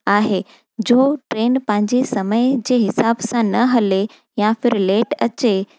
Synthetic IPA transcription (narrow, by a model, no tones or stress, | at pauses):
aːɦe | d͡ʑoːʈɾeːnpɐ̃ɦɪ̃ɲd͡ʑesɐməjd͡ʑeːɦɪsaːbsãnɐɦɐle | jãfɪɾleːʈɐt͡ɕe